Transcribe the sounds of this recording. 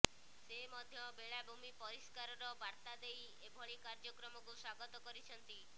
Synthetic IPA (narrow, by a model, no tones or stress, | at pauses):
semɔd̪ʱjɔbeɭabʱumipɔɾiskaɾɔɾɔbaɾt̪ad̪ej | ebʱɔɭikaɾd͡ʒɔkɾɔmɔkuswaɡɔt̪ɔkɔɾit͡ʃʰɔnt̪i